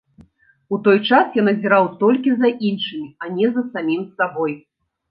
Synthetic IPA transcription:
ut̪ɔjt͡ʂasjanɐzʲɛɾawt̪ɔlʲkʲizɐʔinʂɨmʲianʲɛzɐsamʲimsabɔj

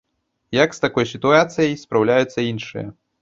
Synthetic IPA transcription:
jɐkst̪akɔjsʲit̪uat̪sɨjɐjspɾawlʲajut̪sːɐinʂɨ̰jɐ̰

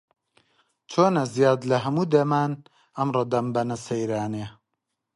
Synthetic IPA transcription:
t͡ʃʰoːnɐzijaːd̪lɐɦɐmuːd̪ɐmaːn | ɐmroːd̪ɐmbɐnɐsɐjɾaːne

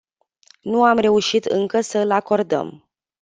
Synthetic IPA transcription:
nuamre̞uʃit̪ɨŋkəsəɨlako̞rd̪ə̰m

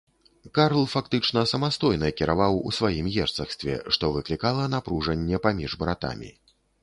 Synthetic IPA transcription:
kaɾlˠfak̚t̪ɨt͡ʂnɐsɐmast̪ɔjnɐkʲiɾavawṵsvajimjɛrt̪sɐxst̪vʲɛ̰ʂt̪ɔvɨklʲikalˠɐnapɾuʐɐnʲːɛpamʲiʐbɾat̪a̰mʲḭ

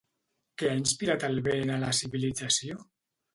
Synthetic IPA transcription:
keainspiɾat̪alβenalasiβilid͡zasio

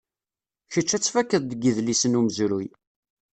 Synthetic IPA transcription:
çət͡ʃːæt͡sːfækːəðˤd̪əɡiðlisənuməzɾuj

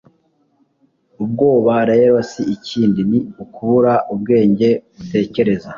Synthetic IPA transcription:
ub̚ɡo̞ːβaɾeɾosiiciːndiniukuβuɾaʔubɡe̞ːɲɟe̞βute̞ːce̞ɾe̞za

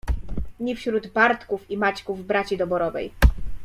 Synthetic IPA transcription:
ɲifɕɾud̪baɾt̪kufimat͡ɕkuvbɾat͡ɕid̪ɔbɔɾɔvɛ̰j

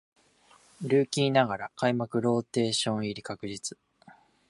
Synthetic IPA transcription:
ɾɯ̟ːkʲiːnaɡaɾakaimakɯ̟ɾo̞ːt̪e̞ːɕõ̞ɰ̃iɾʲikakɯ̟ʑit͡sɨ̥

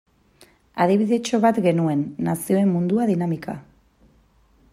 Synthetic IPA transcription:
að̞iβiðe̞t͡ʃo̞βat̪ɡe̞nue̞nːasio̞e̞mːund̪uaðinamika̰

